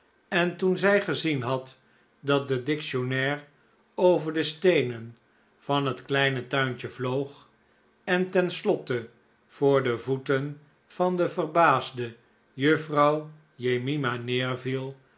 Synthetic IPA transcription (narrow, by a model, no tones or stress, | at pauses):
ɛntunzɛjχəzinɦɑt | dɑt̚dədɪkʃonɛːr | owvəɹdəstejnən | v̥ɑnɦətklɛjnətœɥnt͡ʃəvlowχ | ɛntɛnslɔtə | v̥ʊːɹdəvutən | v̥ɑndəvərbaːzdə | jɵfrɑw | jejmimanɪːɹvilˠ